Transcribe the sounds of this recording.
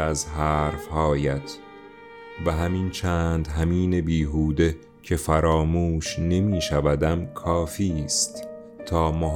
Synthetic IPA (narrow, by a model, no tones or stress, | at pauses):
æzɦæːɾfhɒːjæt̪ʰ | væɦæmint͡ʃʰæːnd̪ɦæmiːnebiːɦuːd̪e̞ | cʰefæɾɒːmuːʃne̞miːʃævæd̪æmkʰɒːfiːst̪ | t̪ʰːɒːmo